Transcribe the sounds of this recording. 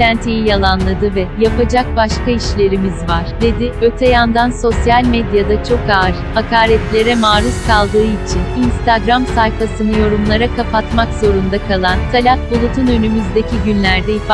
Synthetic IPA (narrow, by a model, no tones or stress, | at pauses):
ænt̪ʰijijalˠanlˠad̪ɯvɛjapad͡ʒak̚baʃkaiʃlʲe̞ɾimizvaɾ̥d̪e̞d̪ɪøt̪ʰɛjand̪anso̞sjalʲmed̪jad̪at͡ʃʰo̞kaːɾhakʰaːɾɛt̪lʲe̞ɾɛmaːɾuskʰalˠd̪ɯːit͡ʃʰininst̪ʰaɡɾamsajfasɯnɯjo̞ɾumlˠaɾakʰapat̪makzo̞ɾund̪akʰalˠant̪ʰalʲat̪̚bulˠut̪ʰunø̞nymyzd̪e̞cʰiɟynlʲæɾd̪ɛif